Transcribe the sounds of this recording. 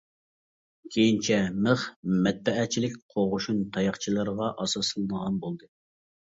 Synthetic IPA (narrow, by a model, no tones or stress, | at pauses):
kʲʰejint͡ʃʰɛməχmɛt̪̚bɛʔɛt͡ʃʰilɪk̚ʲqʰoʁʊʃunt̪ʰɑjɑχt͡ʃʰilˠɨɾʁɑʔɑsɑsɨlˠɨnəʁɑnbolˠd̪ɨ